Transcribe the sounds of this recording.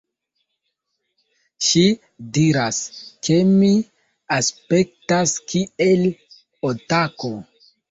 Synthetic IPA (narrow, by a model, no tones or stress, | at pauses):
ʃi | diɾaskʰemi | aspe̞k̚taskʰiel | otako